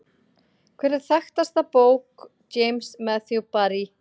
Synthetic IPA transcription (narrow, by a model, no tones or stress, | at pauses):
kʰvɛːɾɪθaxt̪ast̪apoːwk | t͡ɕejmsmɛθjupaɾi